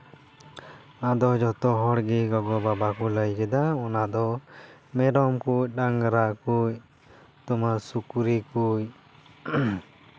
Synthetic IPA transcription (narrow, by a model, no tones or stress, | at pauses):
ad̪ɔd͡ʒɔt̪ɔɦɔɽɡɛɡɔɡɔbabakɔləjkɛd̪aɔnad̪ɔmɛɾɔmkujɖaŋɡɾaʔkuj | t̪ɔmasukuɾikuj